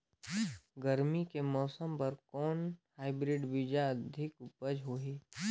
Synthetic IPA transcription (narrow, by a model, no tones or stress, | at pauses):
ɡəɾmikemɔːsəmpɐɾkɔːnhaːɪbɾɪɖbɪd͡ʒaɐd̪ʱɪkʊpəd͡ʒɦoːɦiː